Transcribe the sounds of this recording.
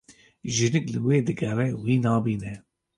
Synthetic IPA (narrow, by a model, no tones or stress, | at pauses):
ʒɨnɨklɨweːd̪ɨɡɛrɛwiːnɑːbiːnɛ